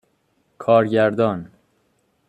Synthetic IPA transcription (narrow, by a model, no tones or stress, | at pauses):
kʰɒːɾɟæɾd̪ɒːn